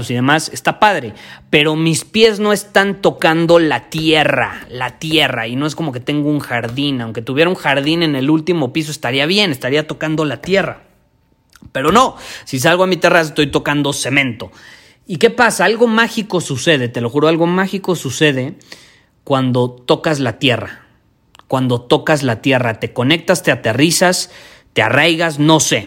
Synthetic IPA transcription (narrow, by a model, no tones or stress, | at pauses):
siðe̞mase̞st̪apaðɾe̞pe̞ɾo̞mispje̞zno̞e̞st̪ant̪o̞kand̪o̞lat̪je̞ra̰lat̪je̞ra̰ino̞e̞s̬ko̞mo̞ke̞t̪eŋɡo̞uŋxaɾðinawŋke̞t̪uβjeɾauŋxaɾðine̞ne̞lult̪imo̞pis̬oe̞st̪aɾiaβje̞ne̞st̪aɾiat̪o̞kand̪o̞lat̪je̞ra̰ | pe̞ɾo̞no̞sis̬alɣoamit̪eras̬est̪o̞jt̪o̞kand̪o̞se̞mẽ̞nt̪o̞ | ike̞pasaalɣo̞maxiko̞suse̞ð̞e̞t̪e̞lo̞xuɾoalɣo̞maxiko̞suse̞ð̞e̞ | kwand̪o̞t̪o̞kazlat̪je̞ra̰ | kwand̪o̞t̪o̞kazlat̪je̞rat̪e̞ko̞ne̞k̚t̪ast̪e̞at̪e̞risas | t̪e̞a̰rajɣasno̞se̞